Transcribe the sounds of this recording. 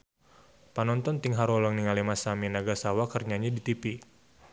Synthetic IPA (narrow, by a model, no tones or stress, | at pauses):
panɔnt̪ɔnt̪iŋɦaɾɔlɔŋniŋalimasaminaɡasawakərɲaɲadit̪ipi